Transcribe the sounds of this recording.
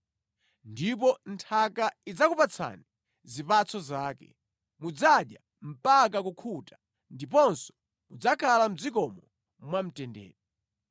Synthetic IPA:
ndip̬ɔntʰakaid͡zakupat͡sʰa̰ni | zipat͡sʰɔzaːkɛ̰ | mud͡zaɗja | m̩pak̬ak̬ukʰutḁ | ndip̬ɔnsɔ̥ | mud͡zakʰalam̩d͡zikɔmɔ | mwam̩tɛndɛ̰ːɾɔ

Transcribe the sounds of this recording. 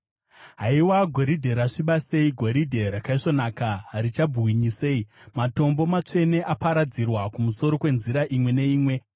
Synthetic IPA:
ɦaiwaɡʱo̞ɾidʱe̞ɾaʂiɓase̞iɡʱo̞ɾidʱe̞ɾakaiʂo̞naːkarit͡ʃabuwiɲiseimato̞mbo̞mat͡ʂe̞ne̞ʔapaɾad͡zirwakumuso̞ɾo̞kwe̞nziɾaʔimwe̞ne̞iːmwe̞

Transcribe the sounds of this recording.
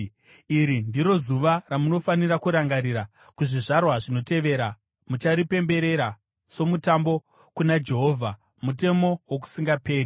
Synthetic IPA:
iɾindiɾo̞zuʋaramuno̞fanirakuɾaŋɡaɾiɾa | kuʐiʐarwaʐino̞te̞ʋe̞ːɾa | mut͡ʃaɾipe̞mbe̞ɾe̞ɾa | so̞mutambo̞ | kunad͡ʒe̞ɦo̞ːvʱa | mute̞mo̞wok̬u̥siŋɡape̞ːri

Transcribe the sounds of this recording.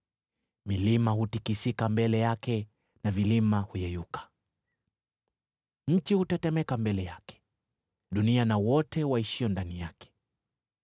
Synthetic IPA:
milimahutikisikambɛlɛjakɛ | navilimahujɛjukḁ | ɲ̩t͡ʃihutatɛmɛkambɛlɛjakɛ̥ | ɗunianawɔtɛwaiʃiɔndanijakɛ̥

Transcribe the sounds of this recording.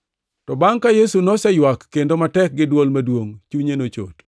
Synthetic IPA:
tɔbaŋkajesunɔsɛjwakːendomatɛk̚ɡɪdwolmadwoŋt͡ʃuɲenot͡ʃo̰t

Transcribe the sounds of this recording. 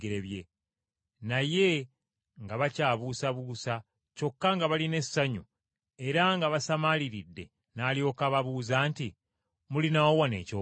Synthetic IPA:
ɡeɾeβje | naje̞ | ŋɡaβacaːβuːsaβuːsa | co̞kːaŋɡaβaline̞sːaɲu | e̞ɾaŋɡaβasamaliɾidːe̞ | naːljo̞ːkaβaβuːzaːnti | mulinawowane̞̰ːco

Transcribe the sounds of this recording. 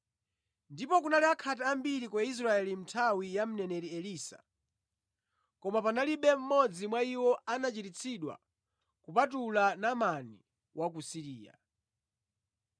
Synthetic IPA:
ndipɔkunaliakʰat̬aambiɾikwɛis̬ɾaɛlim̩tʰawijam̩nɛnɛɾiɛliːsa̰ | kɔmapanaliɓɛm̩mɔd͡zimwaiwɔanat͡ʃitit͡sʰiɗwa̰ | kupatulanamani | wʔak̬usiɾiːja̰

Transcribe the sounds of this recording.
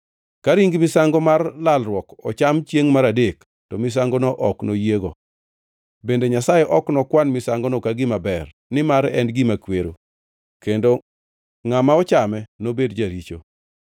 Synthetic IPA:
kaɾiŋɡmɪsaŋɡɔmarlalɾwɔkɔ̰t͡ʃamt͡ʃjeŋmaɾadek | tɔmɪs̬aŋɡɔnɔʔɔknojeɡo | bendeɲasajɛʔɔknɔkwanmɪsaŋɡɔnɔkaɡɪmabɛr | nɪmaɾɛ̰nɡɪmakweɾo̰ | kendo | ŋamaɔt͡ʃamɛnobedd͡ʒaɾit͡ʃo̰

